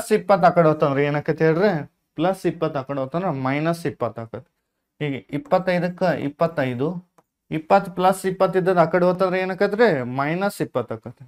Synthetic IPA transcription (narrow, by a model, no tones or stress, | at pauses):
ɐsipːɐt̪ːɐːkɐɽɦot̪ːɐnd̪ɾeeːnaːkːɐt̪eːɽd̪ɾe | plɐsipːɐt̪ːɐːkɐɽoːt̪ːɐnd̪ɾemɐjnɐsipːɐt̪ːaːkɐt̪ːe̥ | ɦiːɡeipːɐt̪ːɐjd̪ɐkːɐḭpːɐt̪ːɐjd̪u | ipːɐt̪ːplɐsːipːɐt̪ːid̪ːɐd̪ɐkːɐɽɦot̪ːɐnd̪ɾeeːnaːkːɐt̪ɾemɐjnɐsipːɐt̪ːaːkːɐt̪ːe